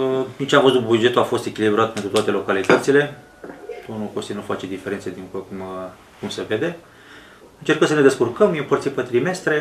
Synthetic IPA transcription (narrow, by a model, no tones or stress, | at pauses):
nit͡ʃeamfəzutbud͡ʒe̞t̪uafo̞st̪e̞kʲilibɾat̪̚pet̪ɾut̪oat̪e̞lo̞kalit̪ət̪sile̞ | t̪onukost̪inufat͡ʃed̪ifeɾe̞nsed̪iŋkukum | kumse̞ve̞d̪e̞ | ɨnt͡ʃe̞rkəms̬əne̞d̪e̞skurkəmjepərt̪sipət̪ɾime̞st̪ɾe̞